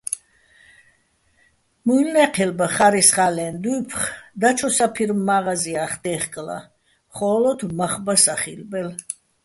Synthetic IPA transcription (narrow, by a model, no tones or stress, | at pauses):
mujlnɛqʰɛlbaχaɾisχalɛnd̪uːpʰχd̪at͡ʃʰɔsapʰiɾmːaʁaziaχd̪ɛχkʼla̰ | χɔːlɔd̪maχbasaχilbɛl